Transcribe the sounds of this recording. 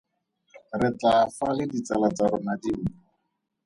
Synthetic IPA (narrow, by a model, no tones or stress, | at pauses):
rɪt͡ɬafalɪdit͡salat͡saɾʊnadiu